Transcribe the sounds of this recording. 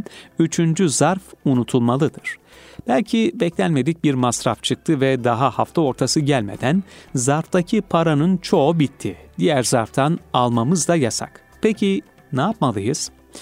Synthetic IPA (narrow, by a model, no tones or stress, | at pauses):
yt͡ʃʰynd͡ʒyzaɾfunut̪ʰulˠmalˠɯd̪ɯɾ̥ | b̥ælʲcʰibɛclʲænʲme̞d̪ic̚biɾmasɾa̰ft͡ʃʰɯk̚t̪ʰɯvɛd̪aɦaha̰ft̪ʰao̞ɾt̪ʰasɯɟælʲme̞̰d̪ænzaɾft̪acʰipʰaɾanɯnt͡ʃʰo̞bit̪ʰːid̪ijæɾzaɾft̪ʰanalˠmamɯzd̪ajasa̰k | pʰecʰi | naːp̚malˠɯjɯz̥